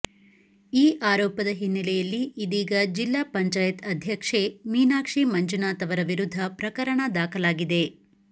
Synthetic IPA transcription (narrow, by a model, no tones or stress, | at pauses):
iːʔaːɾɔːpɐd̪ɐɦinːɐlɛjɐlːiːd̪iːɡɐd͡ʒilːaːpɐɲt͡ʃaːjɐt̪ɐd̪ʱjɐkʂemiːnaːkʂimɐɲt͡ʃunaːt̪ɐʋɐɾɐʋiɾud̪ʱːɐpɾɐkɐɾɐɳɐd̪aːkʰɐlaːɡid̪e̞